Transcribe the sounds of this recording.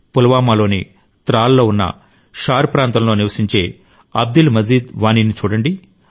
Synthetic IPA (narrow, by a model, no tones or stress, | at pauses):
pulɐʋaːmaːlo̞ːnḭ | t̪ɾaːlːo̞ːunːɐ̰ | ʃaːɾpɾaːnt̪ɐmlo̞ːniʋɐsiɲt͡ʃe̞ː | ɐb̚d̪ulmɐd͡ʒiːd̪ʋaːniːnit͡ʃuːɽɐɳɖi